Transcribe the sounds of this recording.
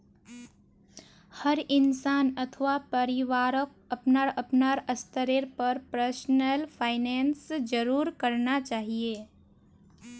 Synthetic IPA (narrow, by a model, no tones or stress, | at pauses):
həɾɪnsaːnət̪ʰʋapəɾɪʋaːɾək̚ɐpnaɾəpnaɾəst̪əɾeɾpəɾpɾəsnəlpʰaːɪneːnsd͡ʒəɾuːɾkəɾnat͡ʃaːɦieː